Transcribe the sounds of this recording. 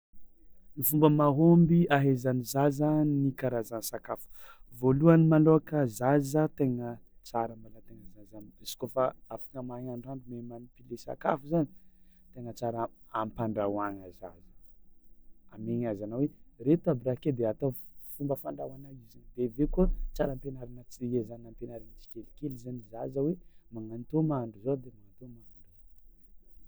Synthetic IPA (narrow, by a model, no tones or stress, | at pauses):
nifumbəmaɦombiaɦezanizazanikaɾazansakafu̥voluanimaloakəzazat̪eŋət͡saɾəmbalat̪eŋəzazaniz̥i̥kofaafḁkəmaɲaɳɖ͡ʐaɳɖ͡ʐumemanipilesa̰ka̰fuzanit̪eŋət͡saɾaampaɳɖ͡ʐawaŋəzazə̥ | ameɲazanaweɾet̪abɾaked̪eat̪ofumbəfaɳɖ͡ʐawanajiziɲd̪evekuət͡saɾampenaɾinət͡siezanampenaɾinit͡si̥kʲelikelizanizazawemaŋant̪omaaɳɖ͡ʐuzod̪emaŋant̪omaaɳɖ͡ʐuzo